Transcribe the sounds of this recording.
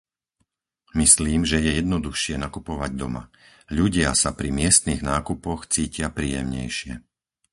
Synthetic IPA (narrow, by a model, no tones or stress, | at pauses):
misliːmʒɛjɛjɛd̪nɔd̪uxʃɪɛnakupɔʋaɟd̪ɔma̰ | ʎuɟɪasapɾimɪɛst̪niɣnaːkupɔxt͡siːcɪapɾiːjɛ̰mɲɛ̰jʃɪɛ̰